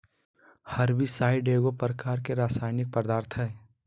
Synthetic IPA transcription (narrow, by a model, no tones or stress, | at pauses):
hɐɾbʱisaːiɖeːɡopəɾəkaːɾkeɾaːsaːɪnɪk̚pəɾd̪aːɾt̪ʰɦɛː